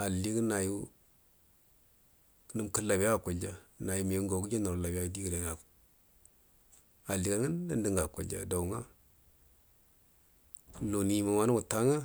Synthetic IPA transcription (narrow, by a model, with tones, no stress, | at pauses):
a˨li˦kna˨ju˦ | nə˦mkə˦la˨bja˦˨ku˨d͡ʒa˨na˨ju˨˦me˨˦ŋɡo˨ɡu˦d͡ʒa˦na˨ɾla˨ba˦di˦ɡi˨ɾe˨˦a˨ | a˨li˨ka˨˦ŋə˦nː˦a˦ndə˦ŋɡa˨kṵ˨d͡ʒa̰˨da˨wŋa̰˦ | lo˨ni˨ma˨ma˦nu˦ŋu˨ta˦ŋa˦